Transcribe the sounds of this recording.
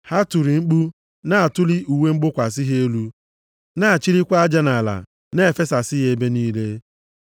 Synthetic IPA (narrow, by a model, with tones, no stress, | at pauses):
ha˦tu˨ɾi˨ŋ͡m̩˦k͡pu˦ | na˦a˨tʊ˦li˦u˨we˦ŋ͡m̩˦ɡ͡bʊ˦kʷa˨s̬i˦ɦe˦e˦lu˦ | na˦a˨t͡ʃi˦ɾi˦kʷa˦a˦d͡ʒa˦na˨la̰˨ | ne˦e˨fe˦sa˨siɪ˦ɦe˨˦be˦niː˦le˦